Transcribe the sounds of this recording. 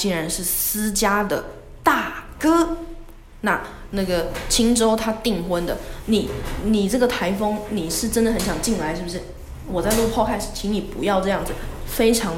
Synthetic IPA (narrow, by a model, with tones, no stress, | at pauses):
t͡ɕi˥nɻa˧˦nʂɻ̩˥˩sɹ̩˥t͡ɕja˥d̪ə˨˩ | t̪a˥˩kɤ˥ | na˥˩ | na˥˩ɡə˩t͡ɕʰi˥ŋʈ͡ʂo˥ʊt̪ʰa˥t̪i˥˩ŋxwə˥nd̪ə˨ni˨˩˦ni˨˩ʈ͡ʂɤ˥˩ɡə˩t̪ʰa˧˥ɪfɤ˥ŋni˨˩ʂɻ̩˥˩ʈ͡ʂə˥nd̪ə˨xə˧˥nɕjɑ˨˩ŋt͡ɕi˥˩ŋla˧ɪʂɻ̩˥˩bʂɻ̩˥˩ | wɔ˨˩t͡sa˥ɪʈ͡ʂpʰɑ˥˧ʊkʰa˥˧ʂ̩˨˩t͡ɕʰi˧˥ŋni˨˩pṵ˧˥jɑ˥˧ʊʈ͡ʂɤ˥˧jɑ˥˩ŋd͡zɹ̩˨˩fe˥ɪʈ͡ʂʰɑ˧˥ŋ